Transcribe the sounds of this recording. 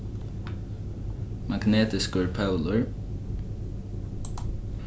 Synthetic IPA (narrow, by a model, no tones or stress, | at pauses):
maɡneːt̪ɪskʊɹpʰœwlʊɹ